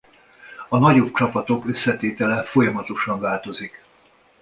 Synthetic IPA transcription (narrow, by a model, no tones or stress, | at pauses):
ɒnɒɟo̞p̚t͡ʃɒpɒt̪o̞kø̞sːɛt̪eːt̪ɛlɛfo̞jɒmɒt̪o̞ʃɒɱvaːlt̪o̞zik